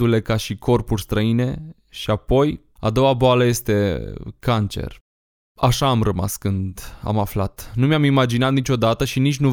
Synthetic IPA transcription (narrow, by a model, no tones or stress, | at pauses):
ule̞kaʃikʰo̞rpurʲst̪ɾəine̞ | ʃiapo̞j | a̰d̪o̞waboaləje̞st̪e̞kant͡ʃḛr | aʃaːmrəma̰skɨnd̪a̰maflat̪numjamimad͡ʒinat̪nit͡ʃo̞d̪at̪əʃinit͡ʃʲnu